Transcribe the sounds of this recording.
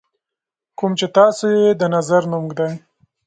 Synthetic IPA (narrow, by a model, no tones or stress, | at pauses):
kumt͡ʃet̪ɑsojed̪ənazaɾnʊmɡd̪aj